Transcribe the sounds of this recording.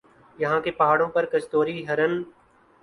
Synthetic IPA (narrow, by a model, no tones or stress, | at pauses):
jɐɦãːkepɐɦaːɽõːpɐɾkəst̪oːɾiɦɐɾən